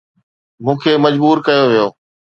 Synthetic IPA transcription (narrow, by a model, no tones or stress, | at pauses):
mũːkʰeːmɐd͡ʑbuːɾkɐjoʋɪjoː